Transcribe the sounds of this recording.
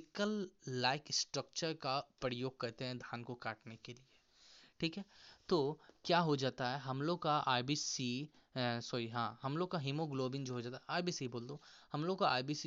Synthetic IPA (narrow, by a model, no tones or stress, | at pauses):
kəlːaːɪksʈɾək̚t͡ʃəɾkapəɾɪjoːɡ̚kɐɾt̪eɦɛ̃d̪ʱaːnkokaːʈnekelie | ʈʰiːkɦɛːt̪oːkjaːɦod͡ʒaːt̪aɦɛɦɐmloːɡkaʔaːjbiːsi | sɐiɦãːɦɐmloːɡ̚kaɦimoɡloːbɪ̃ŋd͡ʒoɦod͡ʒaːt̪aɦaːjbiːsiboːld̪ohɐmloːɡkaa̰ːjbiːsi